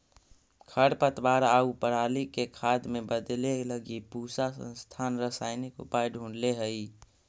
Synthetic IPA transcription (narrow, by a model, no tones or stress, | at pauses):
kʰəɽpət̪waːɾaupəɾaːlikekʰaːd̪mebəd̪leləɡipusasə̰̃nst̪ʰanɾəsaɪnikʊ̰pajɖʱũːɳɖleɦəi